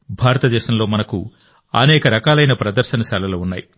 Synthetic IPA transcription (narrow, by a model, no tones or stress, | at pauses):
bʱaːɾɐt̪ɐd̪ɛːʃɐmloːmɐnɐkṵ | ɐ̰nɛːkɐɾɐkaːlɐjnɐpɾɐd̪ɐɾʃɐnɐʃaːlɐloːunːaːji